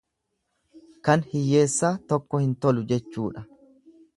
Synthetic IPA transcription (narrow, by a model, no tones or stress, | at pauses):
kɐnhɪjːe̞ːsːaːt̪ɔkːɔhɪnt̪ɔlʊd͡ʒɛt͡ʃːuːᶑɐ